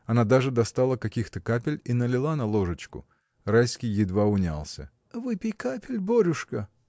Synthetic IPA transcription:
ɐnad̪aʐɨd̪ɐst̪alˠəkɐkʲixt̪əkapʲɪlʲinəlʲɪlˠanɐlˠo̞ʐət͡ɕkʊ̰ | rajskʲɪjːɪd̪vaʊnʲa̰lˠsʲə̰ | vɨpʲɪjkapʲɪlʲboɾʲʊʂkə

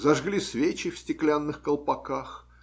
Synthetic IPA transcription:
zɐʐɡlʲisvʲet͡ɕɪfsʲtʲɪklʲanːɨxkəlˠpɐkax

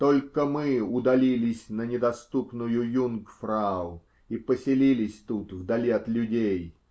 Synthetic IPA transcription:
t̪olʲkəmɨʊd̪ɐlʲilʲɪsʲnənʲɪd̪ɐst̪upnʊjʊjunkfɾaʊ | ipəsʲɪlʲilʲɪsʲt̪ut̪vd̪ɐlʲiɐt̪lʲʊdʲej

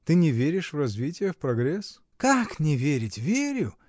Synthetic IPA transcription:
t̪ɨnʲɪvʲeɾʲɪʂvrɐzvʲitʲɪjəfpɾɐɡɾʲes | kaknʲɪvʲeɾʲɪtʲvʲeɾʲʊ

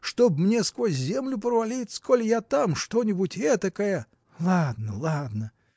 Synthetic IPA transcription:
ʂt̪obmnʲeskvosʲzʲemlʲʊpɾəvɐlʲitʲskolʲjat̪amʂt̪onʲɪbutʲɛt̪əkəjə | lˠad̪̚nəlˠad̪nə

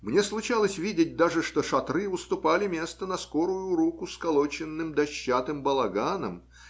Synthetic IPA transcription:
mnʲe̞slˠʊt͡ɕalˠəsʲvʲidʲɪt̚ʲd̪aʐɨʂt̪oʂɐt̪ɾɨʊst̪ʊpalʲɪmʲe̞st̪ənɐskoɾʊjʊɾukʊskɐlˠot͡ɕɪnːɨmd̪ɐɕːat̪ɨmbəlˠɐɡanəm

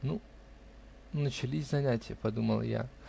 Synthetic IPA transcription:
nu | nət͡ɕɪlʲisʲzɐnʲætʲɪjəpɐd̪uməlˠja̰

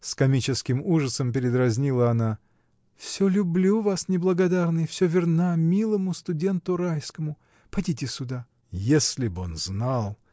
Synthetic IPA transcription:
skɐmʲit͡ɕɪskʲɪmuʐəsəmpʲɪɾʲɪd̪rɐzʲnʲilˠəɐna | fsʲɵlʲʊblʲuvasnʲɪblˠəɡɐd̪arnɨjfsʲɵvʲɪrnamʲilˠəmʊst̪ʊdʲe̞nt̪ʊɾajskəmʊ | pɐdʲitʲɪsʲʊd̪a | jesʲlʲɪbo̞nznalˠ

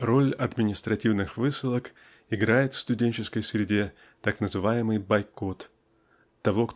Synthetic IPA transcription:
ro̞lʲɐd̪mʲɪnʲɪst̪ɾɐtʲivnɨxvɨsɨlˠək | ɪɡɾajɪt̪fst̪ʊdʲenʲt͡ɕɪskəjsɾʲɪdʲe̞ | t̪aknəzɨvajɪmɨjbɐjko̞t̪ː | ɐvo̞k

